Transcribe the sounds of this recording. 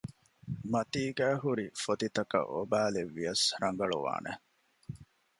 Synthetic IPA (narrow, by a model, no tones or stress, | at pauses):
mɐt̪iːɡæːɦuɾifot̪it̪ɐkɐ̰ʔo̰bæːleʋːijɐsɾɐŋɡɐɭṵʋa̰ːnḛ